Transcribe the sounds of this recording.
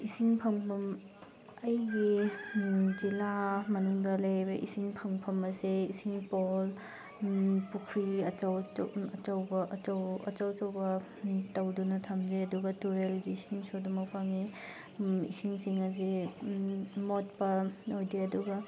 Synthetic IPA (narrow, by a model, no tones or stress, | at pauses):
isiŋpʰɐŋpʰɐm | ɐjɡi | d͡ʒilamɐnuŋdɐlebɐʔḭsiŋpʰɐŋpʰɐmɐseisiŋpol | pukʰɾiɐt͡ʃɐw̰ɐt͡ʃɐwbɐʔɐt͡ʃɐwɐt͡ʃɐwɐt͡ʃɐwbɐ | tɐwdunɐtʰamzeɐduɡɐtuɾelɡiːsiŋsodumɐk̚pʰaŋi | ḭsiŋsiŋɐzi | mot̚pɐojdiɐduɡɐ